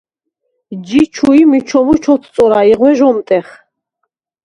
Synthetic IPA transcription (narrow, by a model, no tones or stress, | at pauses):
d͡ʒit͡ʃʰuimit͡ʃʰɔmut͡ʃʰɔt̪ʰt͡sʼɔɾaiʁwɛʒɔmt̪ʼɛχ